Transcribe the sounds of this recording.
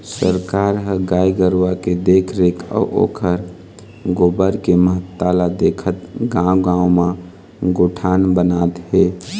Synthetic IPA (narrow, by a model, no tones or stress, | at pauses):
səɾkaɾɦəɡaiɡəɾwaked̪ekʰɾekʰɔ̰ʔo̰kʰəɾ | ɡobəɾkeməɦət̪ːalad̪ekʰət̪ɡãwɡãwma | ɡoʈʰanbənat̪ɦe